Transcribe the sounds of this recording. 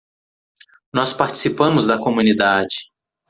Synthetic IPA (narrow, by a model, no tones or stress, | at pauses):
nɔspaɾt͡ʃi̥sipɐ̃mʊzd̪ɐkomũnid̪ad͡ʒɪ̥